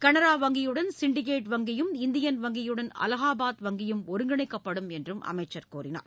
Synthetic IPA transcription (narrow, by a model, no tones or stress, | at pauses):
kɐɳɐɾaːʋɐŋɡɪjɯɽɐnsɪɳɖɪk̬eːʈʋɐŋɡɪjɯmɪnd̪ɪjɐnʋɐŋɡɪjɯɽɐnɐ̰lɐɣaːbaːt̪ʋɐŋɡɪjɯmɔɾɯŋɡɐɳɪkːɐpːɐɽɯmɛndrɯmʔɐ̰mɐɪt͡ʃːɐɾkuːɾɪna̰ːɾ